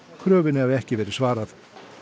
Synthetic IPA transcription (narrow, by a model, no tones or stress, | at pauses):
kʰɾœːvɪnɪhavɛhcɪvɛːɾɪ̥svaːɾaθ